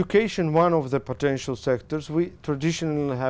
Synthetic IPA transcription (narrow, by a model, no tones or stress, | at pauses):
ukʰeɪʃə̃nwʌ̃nɔvðəpʰɔtɛ̃nʃəlˠsɛktəɹswitʰɹadɪʃɔnl̩iɦæ